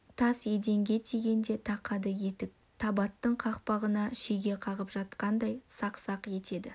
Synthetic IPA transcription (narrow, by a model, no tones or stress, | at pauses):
t̪ʰɑsje̞d̪e̞ŋɡʲe̞t̪ʰeɡʲe̞nd̪e̞t̪ʰɑqʰɑd̪əje̞t̪ɪk̚ | t̪ʰɑbɑt̪ːəɴqʰɑqpɑʁənɑʃeɡʲe̞qʰɑʁəpʒɑt̪qɑnd̪ɑjsɑqsɑqje̞t̪ʰe̞d̪ɪ